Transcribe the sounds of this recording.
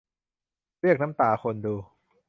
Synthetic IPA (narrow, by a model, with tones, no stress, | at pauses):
ɾi˥˩ək̚na˦˥mt̪aː˧˩xʰo˧nduː˧